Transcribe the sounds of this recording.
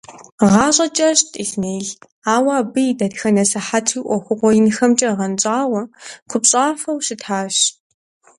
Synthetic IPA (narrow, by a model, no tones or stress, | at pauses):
ʁɑːɕʼɐt͡ʃʼɐɕtʼiɬneːɮ | aːwɑːbɨjdɐtxɐnɐsɐħatʰiːʔʷɔxʷʊqʷɔjɪnxɐmt͡ʃʼɐʁɐnt͡ʃʼaːwɐqʷʰʊpɕʼaːfɐwɕɪtʰaːɕ